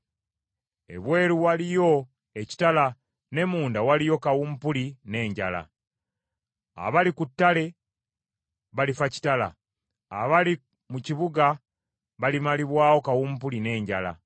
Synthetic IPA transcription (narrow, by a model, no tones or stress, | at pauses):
e̞̰βwe̞ːɾuwalijo̞ | e̞ci̥tala | ne̞muːndawalijo̞kawumpuline̞ːɲɟala̰ | a̰βalikutːale̞ | βalifaci̥tala̰ː | βali | muciβuɡa | βalimaliβwaːwo̞kawumpuline̞ːɲɟala̰